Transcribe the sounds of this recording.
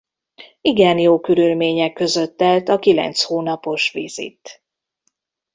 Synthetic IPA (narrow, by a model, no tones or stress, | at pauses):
iɡɛnjoːkyɾylmeːɲɛkːøzø̞t̪ːɛlt̪ɒkilɛ̰nt̪shoːnɒpo̞ʃʋḭzḭt̪